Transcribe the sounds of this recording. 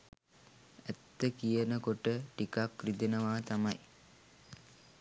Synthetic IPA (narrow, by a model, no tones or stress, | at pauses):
æt̪ːəkijənəkoʈəʈikakrid̪enəʋaːt̪amaj